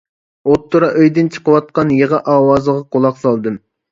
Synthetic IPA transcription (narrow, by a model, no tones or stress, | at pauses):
ot̪ʰːuɾɑʔøjd̪ɪnt͡ʃʰə̥qəwɑt̪̚qɑnjeʁɑʔɑːwɑzəʁɑqolˠɑqsɑlˠd̪ɨm